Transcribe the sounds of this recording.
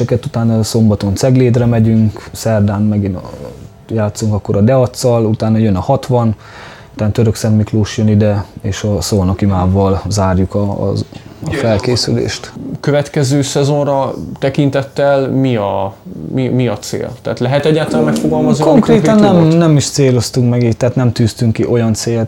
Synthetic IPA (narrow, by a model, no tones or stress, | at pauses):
ɛkɛt̪ut̪aːnɒso̞mbɒt̪o̞nt̪sɛɡleːd̪rɛmɛɟyŋksɛrd̪aːnmɛɡin | jaːt̪sːuŋkɒkːo̞ɾʔɒd̪ɛɒt̪sːɒlut̪aːnɒjø̞nɒhɒt̪ʋɒn | ut̪aːnt̪øɾøksɛnmikloːʃjønid̪ɛeːʃɒsoonokimaːvɒlzaːrjukɒ̰ɒfɛlkeːsylḛːʃt̪køvɛt̪kɛzøːsɛzo̞nrɒt̪ɛkint̪ɛt̪ːɛlmiɒmimiɒt̪sḛːlt̪ɛa̰ːt̪lɛɦɛt̪ɛɟːaːt̪ɒlamɛkfoɡɒlmɒznikoŋkreːt̪ɒnːɛmnɛmiʃt̪seːlo̞st̪uŋkmɛɡiːt̪ːaːt̪nɛmt̪yːst̪yŋkiʔo̞jɒnt̪seːl